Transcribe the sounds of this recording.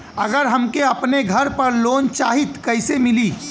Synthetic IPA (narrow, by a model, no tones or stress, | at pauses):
ɐɡəɾɦɐmkeɐpneɡʱɐɾpɐɾloːnt͡ʃaːɦit̪kɐɪsemɪliː